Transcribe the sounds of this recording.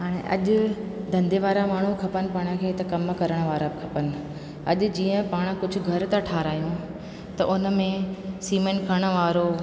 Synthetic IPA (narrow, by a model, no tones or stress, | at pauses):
ɦaːɽ̃ḛ̃ʔɐ̰ʄʊ̆d̪ʱɐ̃nd̪ʱeʋaːɾamaːɳ̤ũkʰɐpənɪ̆paːɽ̃ə̆kʰeːt̪ɐkɐmkɐɾəɽ̃ʋaːɾabɪkʰɐpənɪ̆ | ɐʄ̆d͡ʑiːə̃paːɽ̃kʊd͡ʑʱʊ̆ɡʱɐɾt̪aʈʰaːɾaːijũ | t̪ɐʔʊnmẽsiːmənkʰəɽ̃ə̆ʋaːɾo